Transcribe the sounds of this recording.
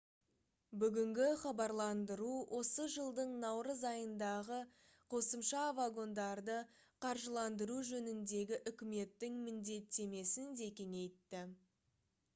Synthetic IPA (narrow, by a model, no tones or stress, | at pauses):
bʏɡʲɪŋɡʲɪχɑbɑɾlˠɑnd̪əɾuwʔo̞səʒəlˠd̪əɴnɑwɾəzɑjənd̪ɑʁə | qʰo̞səmʃɑvaɡo̞nd̪ɑɾd̪ə | qʰɑɾʒəlˠɑnd̪əɾuʒɵnɪnd̪e̞ɡʲɪʔʏkʲɪme̞t̪ːɪŋmɪnd̪e̞t̪ːe̞me̞sɪnd̪e̞kʲe̞ŋe̞jt̪ːɪ